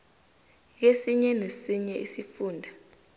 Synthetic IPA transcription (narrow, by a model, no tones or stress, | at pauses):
k̬esiɲɛnesiɲɛʔisifuːndʱa